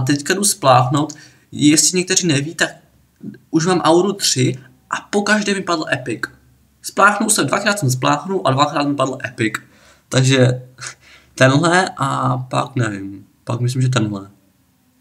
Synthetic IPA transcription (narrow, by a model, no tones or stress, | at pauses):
t̪̬ɛckadusplaːxno̞wt̪ | jɛst̪lɪɲɛk̚t̪ɛr̝iːnɛviːt̪ak̚ | uʃmaːmʔawɾut̪r̝̥ɪ | ʔapokaʒdɛːmɪpadl̩ʔɛpɪk | splaːxnuwsɛdvakɾaːt̪sɛms̬plaːxnuʔadvakɾaːt̪mɪpadl̩ʔɛpɪk | t̪aɡʒɛ | t̪ɛnɦlɛʔapa̰knɛvɪm | pa̰kmɪs̬limʒɛt̪̬ɛnɦlɛ